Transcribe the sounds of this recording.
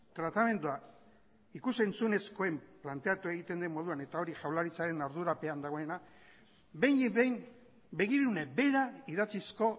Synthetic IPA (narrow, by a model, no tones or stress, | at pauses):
t̪ɾat̪ame̞nd̪ua | ikuse̞nt͡sune̞sko̞e̞mplant̪e̞at̪ue̞ɣit̪e̞nd̪emo̞ð̞uane̞t̪ao̞ɾiʝawlaɾit͡saɾe̞naɾðuɾape̞and̪aɣ̞o̞e̞na | bejnejm | be̞ɣ̞iɾune̞be̞ɾaiðat͡sisko̞